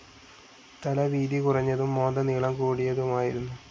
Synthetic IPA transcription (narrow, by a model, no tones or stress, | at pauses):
t̪ɐlɐʋiːðikurɐɲːɐðumːo̞ːnd̪ɐniːɭɐmkuːɽijɐðumaːjiɾunːu